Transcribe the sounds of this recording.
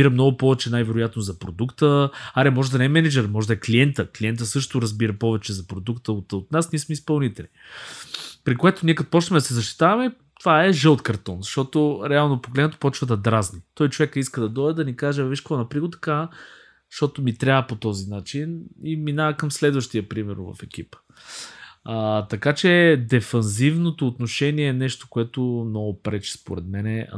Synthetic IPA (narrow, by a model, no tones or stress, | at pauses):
biɾəmnɔɡʊpɔvɛt͡ʃɛnajvɛɾʊjat̪nozɐpɾo̰d̪ukt̪əaɾɛmɔʒɛd̪ɐnɛɛmɛnɛd͡ʒɛɾmɔʒɛd̪ɐɛkliɛnt̪əklʲiɛnt̪̬əsɤʃt̪oɾɐzbiɾəpɔvɛt͡ʃɛzɐpɾod̪ukt̪əot̪ot̪nasniɛsmɛispɐlˠnit̪ɛlnii | pɾikoɛt̪oniɛkɐt̪pɔt͡ʃt̪əmɛd̪ɐsɛzɐʃ̬t̪i̥t̪avɐmɛ | t̪ovaɛʒəlˠt̪kɐɾt̪ɔnzɐʃt̪ɔt̪oɾɛalˠnopoɡlɛd̪nɛt̪o̥pɔt͡ʃvəd̪ɐd̪ɾaznit̪ɔjt͡ʃovɛkəiskəd̪ɐd̪ɔjd̪əd̪ɐnikaʒɛviʃklˠonɐpɾiɡot̪ɐ̥ka | zʃt̪ɔt̪omit̪ɾʲavəpot̪ɔzinat͡ʃiniminaɐkɐmslɛd̪vɐʃt̪iɐpɾimɛɾvɐ̰fɛk̟ipə̥ | t̪ɐkat͡ʃɛd̪ɛfɐnzivnot̪oːt̪noʃɛniɛːnɛʃt̪o̥koɛt̪omnɔɡʊpɾɛt͡ʃi̥spo̰ɾɛd̪mɛnɛ